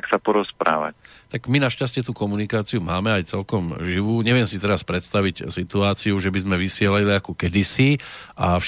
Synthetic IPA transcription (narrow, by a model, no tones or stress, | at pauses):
ksapɔɾɔspɾa̰ːʋa̰ct̪aɡminaʃcas̬cɪɛt̪ukɔmunikaːt͡siumaːmɛajt͡sɛlkɔmʒiʋuːɲɛʋɪɛmsit̪ɛɾaspɾɛt̪st̪aʋiɟsit̪uaːt͡siuʒɛbizmɛʋisɪɛlailiakɔkɛd̪isiʔaf